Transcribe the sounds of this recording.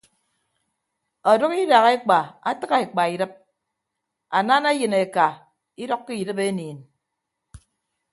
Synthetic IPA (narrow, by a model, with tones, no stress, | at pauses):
ɔ˨do˦ɣi˦da˨ɣe˦k͡pa˨a˦tɨ˦ɣa˨e˨k͡pa˨i˨dɨ˦p̚ | a˨na˦na˦jɨ˨ne˨ka˨ | i˦dɔ˦kːi˦i˨dɨ˦pe˦niː˨n